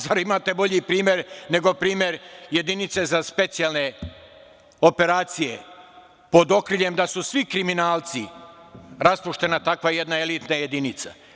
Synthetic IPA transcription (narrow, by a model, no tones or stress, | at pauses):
zaɾimaːt̪e̞bo̞ʎipɾiːmje̞ɾne̞ɡo̞pɾiːmje̞ɾje̞d̪init̪se̞zaspe̞t̪sijalne̞ | ope̞ɾaːt̪sije̞ | po̞d̪o̞kɾiʎemd̪asusʋikɾiminaːlt̪si | ɾaspuʃt̪e̞nat̪akʋajed̪nae̞lit̪naje̞d̪init̪sa̰